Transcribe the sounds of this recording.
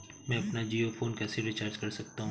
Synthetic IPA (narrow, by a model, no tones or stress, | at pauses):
mɛ̃ːɐpnad͡ʒiːofoːnkɛːseɾɪt͡ʃaːɾd͡ʒkɐɾsɐk̚t̪aɦũ